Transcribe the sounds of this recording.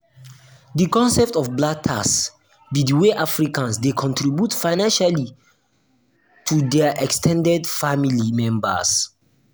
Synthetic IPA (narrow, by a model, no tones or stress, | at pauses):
dikɔ̃nsɛp̚tɔfblatʰas | bidiweʔafɹikãnsdekʰɔ̃ntʰɹibjutfajnãnʃali | tʰudɛʔɛkstʰɛ̃ndɛdfamilimɛ̃mbə̰s